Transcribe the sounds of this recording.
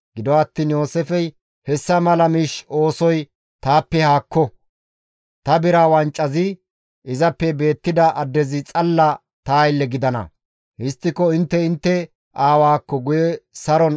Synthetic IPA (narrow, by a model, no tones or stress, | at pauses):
ɡ̥ɪd̪ɔwat̪ːiːnjo̞ːsɛfɛj | hɛsːɐmɐlɐmiːʃo̞ːsɔj | t̪aːpːɛhaːkːɔ | t̪ɐbɪɾaːwɐnt͡ʃʼːɐzɪ | ʔɪzɐpːɛbe̞ːt̪ːɪd̪ɐʔɐd̪ːɛzɪt͡sʼɐlːɐ | t̪aːjɪlːɛɡɪd̪ɐnɐ̰ | hɪst̪ːɪkɔɪnt̪ːɛɪnt̪ːɛ | ʔaːwaːkːɔɡʊjɛsɐɾɔn